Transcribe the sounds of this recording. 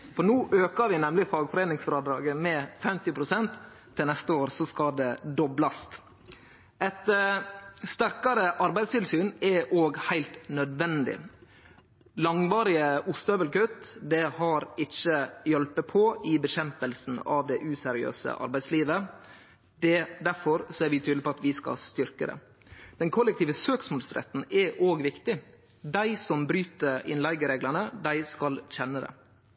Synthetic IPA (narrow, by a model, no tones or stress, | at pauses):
fɔɾnuːʔøːkəɾʋɪnɛmlɪfɑːɡfɔɾeːnɪŋsfɾɑːd̪ɾɑːɡəmɛfɛmt̪ɪpʰɾʊsɛnt̪ʰː | ɪlnɛst̪əoːɾsɔskɑd̪ɛd̪ɔblɑst̪ | ɛt̪ | st̪æɾkɑɾəʔɑɾbæɪst̪ʰɪlsyːnɛʔoːɡhæɪlt̪nœd̪ʋɛnd̪ɪ̰ | lɑŋʋɑːɾɪəʔʊst̪øːbəlkøt̪d̪ɛhɑɾɪçəjɔlpəpʰɔɪbəɕɛmpəlsn̩ɑ̰ːʋd̪ɛʔʉːsɛɾɪø̰ːsə̰ʔɑ̰ɾbæɪsliːʋə | d̪̥ɛd̪æɾfɔɾsɔæɾʋɪt̪ʰyːd̪ɪpɔɑt̪ʋɪskɑ̰lst̪ʏɾkəd̪ɛ̰ | d̪̥ɛnkʰɔlːɛkt̪iːʋəsøːksmɔːlsɾɛ̰t̪ːn̩ɛʔoːɡʋɪkt̪ɪ | d̪æɪsɔmbɾyːt̪əɾɪ̰nlæɪɡəɾeːɡləɳəd̪æɪskɑlçɛnːəd̪ɛ̰